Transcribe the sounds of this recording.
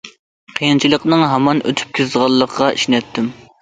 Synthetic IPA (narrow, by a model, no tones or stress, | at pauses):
qʰəjnt͡ʃʰilˠəqnɨŋɦɑmɑnø̰t̪ʰy̥p̚kʲʰøzʁɑlˠːəqʰʁɑʔiʃnɛt̪ʰːɪm